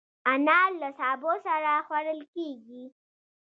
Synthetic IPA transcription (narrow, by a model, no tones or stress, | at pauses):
anɑllːasɑbosaɾaxwaɽəlkeɡi